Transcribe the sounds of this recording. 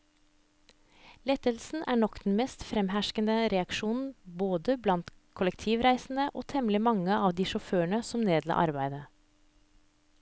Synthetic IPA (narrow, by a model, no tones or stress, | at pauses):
lɛt̪əlsn̩ʔæːɳɔkd̪̥n̩mɛst̪fɾɛmhæʃkənəɾɛɑkʃuːnn̩boːd̪əblɑnt̪ | kʰʊləkt̪ʰiːʋɾæɪsn̩əʔoːt̪ʰɛmlɪmɑŋəɑːʋd̪iːʃɔføːəɳəsɔmneːd̪lɑ̰ːʔɑ̰ɾbæɪd̪ə